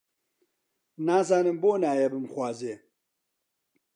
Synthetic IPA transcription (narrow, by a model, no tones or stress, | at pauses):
naːzaːnɨmboːnaːjɛbɨmxwaːzeː